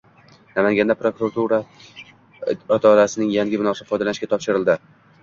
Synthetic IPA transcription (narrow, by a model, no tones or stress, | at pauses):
namaŋɡʲand̪apɾokuɾat̪ʰuɾa | ɒt̪ʰaɾasɪnɪŋjaŋɡʲɪbɪnɒsafɒjd̪alanɪʃkʲat̪ʰɒpʃɪɾɪlˠd̪ɪ